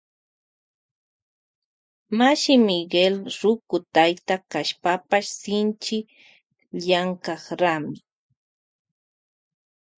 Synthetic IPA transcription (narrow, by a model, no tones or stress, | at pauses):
maʃɪmɪɡelɾʊkʊt̪ajt̪akaʃpapaʃsɪnt͡ʃɪ | ʎaŋkɑχɾamɪ